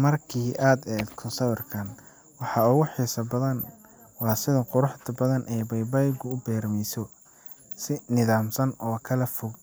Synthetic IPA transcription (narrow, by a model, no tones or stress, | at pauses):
mɐrkʰiːʔaːd̪ɛːk̪ʰɔsɐwɪrkʰɐn | wɑħɑʊɣʊħiːsɐbɐðɐn | wɑːsɪðɐqʊɾʊħt̪ʰɐbɐðɐnʔɛjbɐjbaːɪɡʊʊbɛːɾmɛjsɔ | sɪnɪðaːmsɐnʔɔːkʰɐlɐfʊɡ